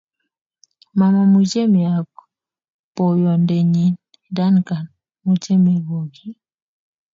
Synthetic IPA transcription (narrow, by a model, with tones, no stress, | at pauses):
ma˨ma˨mu˨d͡ʒe˦mi˨a˨k | pɔ˨jɔ˨nde˨ɲi˨n | da˦nka˨n | mu˨t͡ʃɛ˦me˨ɡo˨ɡi˦